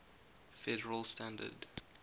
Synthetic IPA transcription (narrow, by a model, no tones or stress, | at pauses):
fɛɾəɹəlˠstãndə̰d